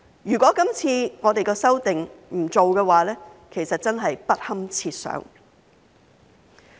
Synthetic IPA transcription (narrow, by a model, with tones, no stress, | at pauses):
jyː˨˩kʷɔː˨˥kɐ˥mt͡sʰiː˧ŋɔː˨˧t̪e˨jkɛː˧sɐ˥wt̪ɪ˨ŋm̩˨˩t͡so˨wkɛː˧waː˨˥lɛː˥kʰe˨˩jsɐ˨t̚t͡sɐ˥nɦɐ˨jpɐ˥t̚hɐ˥mt͡sʰiː˧t̚sœ̰ː˨˥ŋ